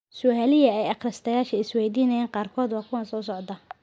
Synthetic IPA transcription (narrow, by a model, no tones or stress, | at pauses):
sʊʔæːlɪjɐɛjɐqrɐst̪ʰɐjaːʃɐɪswɛːjd̪iːnɐjaːŋqɑːrkʰɔːd̪wɑːkʰʊwɐnsɔːs̬ɔʕd̪ɐ